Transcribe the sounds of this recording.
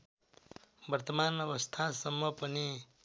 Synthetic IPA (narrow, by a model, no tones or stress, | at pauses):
bʌrt̪ʌmanʌbʌst̪ʰasʌmːʌpʌni